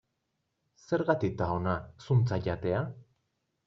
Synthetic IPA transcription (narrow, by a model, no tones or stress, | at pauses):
se̞ɾɣat̪ik̚t̪aonasunt͡saʎat̪e̞a